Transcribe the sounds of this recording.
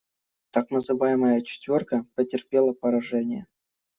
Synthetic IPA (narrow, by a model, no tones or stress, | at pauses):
t̪aknəzɨvajɪməjət͡ɕɪ̥t̪vʲorkəpətʲɪrpʲelˠəpəɾɐʐɛnʲɪjə̰